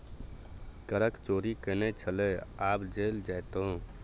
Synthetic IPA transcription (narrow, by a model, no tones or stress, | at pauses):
kəɾəkt͡ʃoɾikənɛt͡ʃʰəlɛabd͡ʒeld͡ʒajt̪oũ